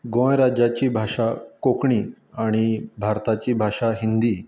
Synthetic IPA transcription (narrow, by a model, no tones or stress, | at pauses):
ɡõjɾad͡ʑat͡ɕiːbʱaʂakokɳiː | aɽ̃ibʱaɾt̪at͡ɕiːbʱaʂaɦind̪iː